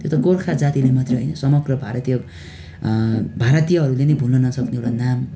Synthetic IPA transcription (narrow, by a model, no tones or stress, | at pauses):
t̪jot̪akorkʰad͡zat̪ilemʌt̪reɦʌ̰jnʌsʌmʌɡrʌbʱaɾʌt̪ijʌ | bʱaɾʌt̪ijʌɦʌɾulenʌjbʱulnʌnʌsʌkneowɽanam